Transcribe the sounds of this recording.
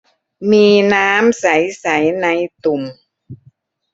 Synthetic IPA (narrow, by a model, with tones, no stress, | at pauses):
miː˧naː˦˥msa˩˦jsa˩˦jna˧jt̪u˨˩m